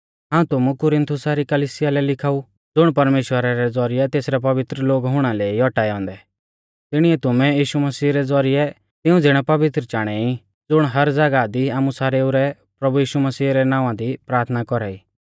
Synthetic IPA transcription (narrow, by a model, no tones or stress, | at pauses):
ɦãːũt̪ʊmukʊɾɪ̃nt̪ʰʊsaɾikɐliːsɪjalɛlɪkʰaːu | d͡zʊɽ̃pɐɾmeːʃwəɾaɾɛd͡zɔɾɪɛt̪eːsɾɛp̬ɐʋɪt̪ɾəloːɡɦʊɽ̃ãleːiɔʈaːɛɔ̃ːnd̪ɛ | t̪ɪɽ̃iɛt̪ʊmɛ̃jiːʃumɐsiːɾɛd͡zɔɾɪɛ | t̪ɪũd͡zɪɽ̃ɛpɐʋɪt̪ɾət͡ʃaːɽ̃ɛi | d͡zʊɽ̃ɦɐɾd͡zaɡad̪iaːmusaːɾeuɾɛ | pɾɐbujiːʃumɐsiːɾɛnãːʋãd̪ipɾaːɾt̪ʰnakɔɾaːiː